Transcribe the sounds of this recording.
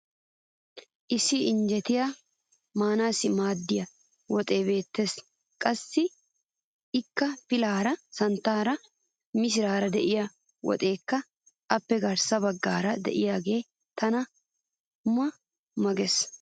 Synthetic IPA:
ʔɪsːɪɪnd͡ʒɛt̪ɪja | maːnaːsɪmaːd̪ːɪjɐ | wɔt̪ʼe̞ːbe̞ːt̪ːes | kʼɐsːɪ | ɪkːɐpɪlaːɾɐsɐnt̪ːaːɾɐ | mɪs̬ɪɾaːɾɐd̪ɛʔɪjɐ | wɔ̰t̪ʼe̞ːkːɐ | ʔɐpːɛɡɐɾsɐbɐɡːaːɾɐd̪ɛ̰ʔɪjaːɡe̞ː | t̪ɐnɐ | mɐ | mɐɡɛs

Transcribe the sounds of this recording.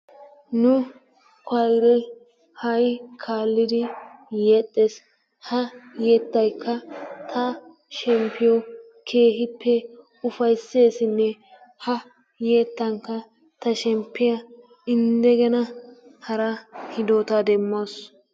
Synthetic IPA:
nʊ | kʰɐjɾɛ | hɐjkʰaːlːɪd̪ɪjeːt̪ʼːes | hɐjeːt̪ːɐjkʰːɐt̪ʰɐ | ʃɛmpːɪjɔ | kʰe̞ːɦɪpːɛ | ʊfɐjsːe̞ːsɪnːɛ | hɐ | jeːt̪ːɐŋkːɐ | t̪ɐʃɛmpːɪjɐ | ɪnd̪ɛɡɛnɐhɐɾɐhɪd̪oːt̪ɐd̪ɛmːoːs

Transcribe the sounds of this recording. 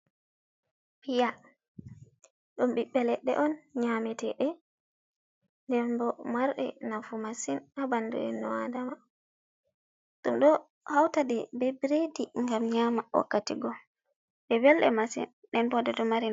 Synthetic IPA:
pija | ɗumɓiɓːɛlɛɗɛ̰ʔɔnɲamɛtɛɗɛ | ndɛmbɔmaɾɗɛ̰nafumasinabandṵɗɛ̰nɔwadama | ɗumɗɔ | hawtaɗɛbɛbiɾediŋɡamɲamaɔ̰kːatiɡɔ | ɓɛwɛlɗɛ̰masḭn | ɗɛmbɔdɛdɔmaɾi

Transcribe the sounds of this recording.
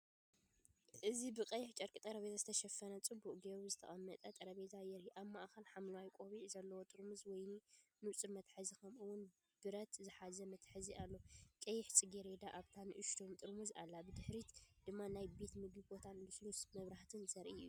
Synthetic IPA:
ʔɨzibɨkʼɐjɪħt͡ʃʼɐɾkʼit̪ʼɐɾɐβet̪ʰazɨt̪ʰɐʃɐfɐnɐt͡sʼɨbuʔʼɡeɾzɨt̪ʰɐ̰χʼɐmːɐt̪ʼɐt̪ʼɐɾɐβezajɛɾhiʔaβmaʔxɐlħamlɐwajkʷʼoβiʕzɐlːɐwot̪ʼɨɾmuzwɔjninut͡sʼɨɾmɐt̪ħɨzikʰɐmʔɨwʊn | b̥ɨɾɐt̪zɨħazɐmɐt̪ħɨzialːokʼɐjːɪħt͡sʼɨɡeɾed̪aʔaβt̪ʰanɨʔɨʃt̪ʰomt̪ʼɨɾmuza̰lːabɨd̪ɨħɾit̪d̪̥ɨmːanajbe̞t̪mɨɡɨbot̪ʰanlɨslusmɐβɾaht̪ʰɨnzɐɾʔiju

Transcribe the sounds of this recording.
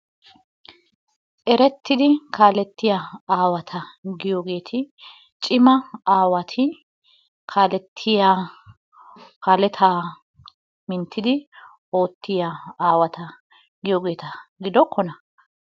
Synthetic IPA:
ʔɛɾɛt̪ːɪd̪ɪkaːlɛt̪ːɪjaaːwɐt̪ʰɐɡɪjoːɡe̞ːt̪ʰɪ | t͡ʃʼɪmɐaːwɐt̪ʰɪ | kʰaːlɛt̪ʰːɪja | kaːlɛt̪ʰaː | mɪnt̪ːɪd̪ɪ | o̞ːt̪ːɪjaaːwɐt̪ɐ | ɡɪjoːɡe̞ːt̪ɐɡɪd̪ɔkʰːɔnɐ

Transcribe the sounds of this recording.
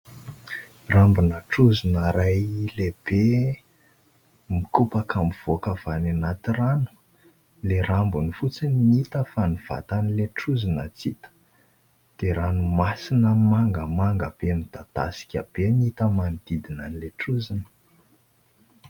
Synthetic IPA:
rambunəʈ͡ʂuzinəɾajleb̥e | mikupəkʰamuv̥okəv̥ananat̪iranu̥ | leɾambunifut͡sinnmiit̪əfaniv̥a̰t̪anileʈ͡ʂuzinət͡sit̪ə̥ | d̪̥eɾanumasinəmaŋɡəmaŋɡəb̥emid̪at̪a̰si̥kʲə̰b̥enit̪əmanid̪̥id̪inanileʈ͡ʂuzinə̥

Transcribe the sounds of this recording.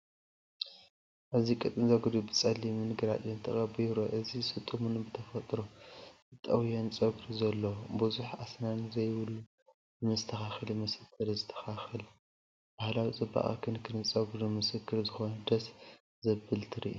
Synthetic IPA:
ʔɨzikʼɨt̪ʼɨnzɐɡɨɾubɨt͡sʼɐlːimɨnɡɨɾa̰t̪ʼjunt̪ʰɨxʼɐbiɾoʔɨzisɨt̪ʼːumunbɨt̪ʰɐfɐt̪ʼɾozɨt̪ʼɐwjont͡sʼɐɡɾuzɐlːobuzuħa̰snanzɐjwɨlu | mɨst̪ʰɐxaxɨlimɨsɨkʰːɨɾzɨt̪ʰːɐ̥xaxɨl | b̥ahlawit͡sʼɨbːa̰χʼa̰kʰɨnkʰɨnɨt͡sʼɐɡɾumɨsɨkːɨɾzɨxo̞nɐd̪ɐs | zɐbɨlt̪ʰɨɾḭʔu

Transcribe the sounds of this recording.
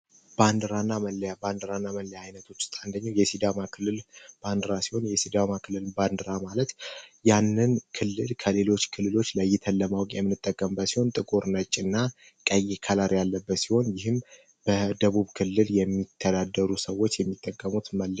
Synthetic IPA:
band̪ɨɾanːaməljaband̪ɨɾanːaməlɛjajnət̪ʰo̞t͡ʃːst̪ʼand̪əɲːawjɛsid̪amakʰɨlːɨlb̥and̪ɨɾasiho̞njɛsid̪amakʰɨlːɨlband̪ɨɾamalət̪janːɨnkʰɨlːɨlkʰəle̞lo̞t͡ʃːkʰɨlːɨlo̞t͡ʃːləjːɪt̪ʰəlːəmawkʼjɛmːɨnɨt̪ʼːəkʼːəmbəsiho̞nt̪ʼɨkʼoɾnət͡ʃʼːɨnːa | kʼəjɛkʰalaɾjalːəbːət̪siho̞njɪhɨm | b̥əd̪əβuβkʰɨlːɨljɛmːit̪ʰːəd̪ad̪ːəɾusəwo̞t͡ʃːjɛmːit̪ʼːəkʼːəmut̪məlː

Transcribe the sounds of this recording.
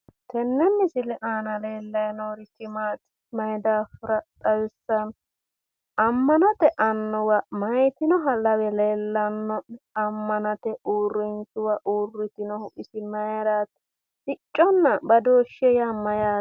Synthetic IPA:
t̪ɛnːɛnːɪsɪlɪʔaːnɐleːlːɐjnoːɾɪtːɪmaːt̪ | mɐjd̪aːfɪɾɐt̪ʼɐwɪsːɐn | ɐmːɐnɐt̪ɛʔɐnːɔwɐmɐjt̪ɪnɔɦɐlɐwɛleːlːɐnːɔɐmːɐnɐt̪ɛʔuːrːɪntɪwɐʔuːrːɪt̪ɪnɔhʊʔɪsɪmɐjɾaːt̪ | sʼɪt͡ʃʼːɔnːɐbɐd̪oːʃːɛjamɐjaː

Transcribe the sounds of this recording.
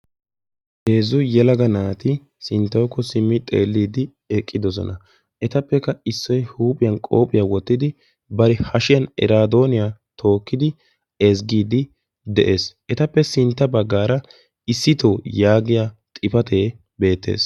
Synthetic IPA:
heːzʊjɛlɐɡɐnaːt̪ɪ | sɪnt̪ːɐwkːɔsɪmːɪt̪ʼḛːlːiːd̪ɪ | ɛkʼːɪd̪ɔs̬ɔ̰nɐ | ʔɛt̪ɐpːɛkːɐɪsːɔjhuːpʼɪjɐnkʼoːpʼɪjaːwɔt̪ːɪd̪ɪ | bɐɾɛhɐʃɪjɐnɛ̰ɾaːd̪o̞ːnɪjaːt̪ʰo̞ːkːɪd̪ɪ | ɛzɡiːd̪ɪ | d̪ɛʔe̞ːsɛt̪ɐpːɛsɪnt̪ːɐbɐɡːaːɾɐ | ɪsːɪt̪oːjaːɡɪjaːt̪ʼɪpɐt̪ʰe̞ː | be̞ːt̪ːe̞̰ːs

